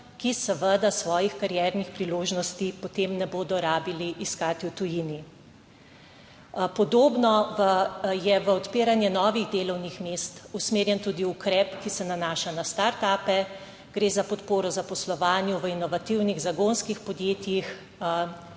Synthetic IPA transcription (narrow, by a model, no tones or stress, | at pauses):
kisəʋəd̪asʋɔːjixkaɾjɛɾnixpɾiloːʒnɔst̪ipɔt̪emnɛboːd̪ɔɾaːbiliʔiskaːt̪iwt̪ujini | pɔd̪oːbnɔəjɛʋəɔt̪peːɾanjɛnɔːʋiɣd̪eːlɔwnixmeːst̪usmeːɾjɛnt̪uːd̪iukɾɛpkisɛnanaːʃanast̪aɾt̪aːpɛ | ɡ̥ɾeːzapɔt̪poːɾɔzapɔslɔʋaːnjuʋəinɔʋat̪iwniɣzaɡonskixpɔd̪jeːt̪jix